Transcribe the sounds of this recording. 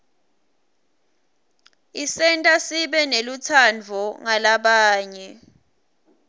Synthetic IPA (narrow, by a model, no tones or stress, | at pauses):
isɛntʼasiɓɛnelut͡sʰand͡vʱɔŋalaɓaːɲɛ